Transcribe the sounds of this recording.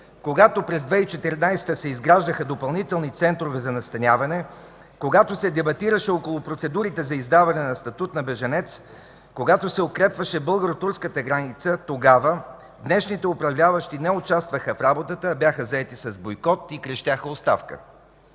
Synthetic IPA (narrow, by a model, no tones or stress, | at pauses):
koɡat̪opɾɛzd̪vɛit͡ʃɛt̪ɛɾnajst̪əsɛizɡɾaʒd̪əxəd̪opɐlˠnit̪ɛlˠnit̪sɛnt̪ɾovɛzɐnɐst̪ɐnʲavɐnɛ | koɡat̪osɛd̪ɛbɐt̪iɾəʃɛokolˠʊpɾot̪sɛd̪uɾit̪ɛzɐizd̪avɐnɛnɐst̪ɐt̪ut̪nɐbɛʒɐnɛt̪s | koɡat̪osɛokɾɛpvəʃɛbɤlˠɡəɾot̪uɾskət̪əɡɾanit̪sət̪oɡavə | d̪nɛʃnit̪ɛʊpɾɐvlʲavɐʃt̪inɛʊt͡ʃast̪vəxəfɾabot̪ət̪əbjaxəzɐɛt̪isɐzbojkɔt̪ikɾɛʃt̪jaxəost̪a̰fkə̰